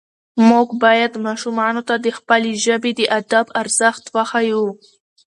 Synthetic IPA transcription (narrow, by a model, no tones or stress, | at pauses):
muɡbɑjad̪mɑʃumɑnot̪ad̪əxpəleʒəbed̪əʔad̪abaɾz̥axt̪waxaju